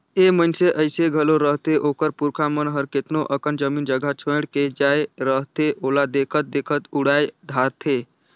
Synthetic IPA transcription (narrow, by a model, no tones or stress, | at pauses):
emənseʔəɪseɡʱəloɾəɦt̪eʔokəɾpuɾkʰamənɦəɾket̪noʔəkənd͡ʒəmind͡ʒəɡʱət͡ʃʰəɽked͡ʒaeɾəɦt̪eʔolad̪ekʰət̪̚d̪ekʰət̪uɽajd̪ʱaɾt̪ʰe